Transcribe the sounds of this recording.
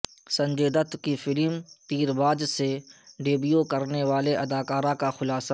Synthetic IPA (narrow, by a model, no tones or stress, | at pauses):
sɐ̃ɲd͡ʒeːd̪ət̪kifɪlmt̪iːɾbaːd͡ʒseɖeːbijokɐɾneʋaːleʔɐd̪aːkaːɾãkaxʊlaːsa